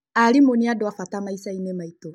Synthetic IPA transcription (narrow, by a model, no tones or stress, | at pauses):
aɾimoniadɔafatamaisainemaito